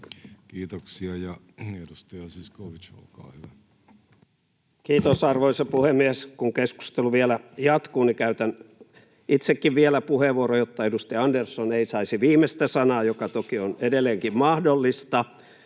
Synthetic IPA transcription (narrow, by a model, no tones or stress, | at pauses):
kiːt̪oksiɑjɑ | edust̪ɑjɑsiskoʋit͡ʃo̰lkɑ̰ːhyʋæ | kiːt̪osɑrʋoisɑpuhemːieskuŋkesku̥st̪eluʋiælæjɑt̪kuːnikæyt̪æn | ʔit̪sekːiʋʋielæpuheʋuorojot̪ːɑedust̪ɑjɑɑndersːoneisɑisiʋiːmest̪æsɑnɑːjokɑt̪okionedelːˑeːŋkimmɑhdolːist̪ɑ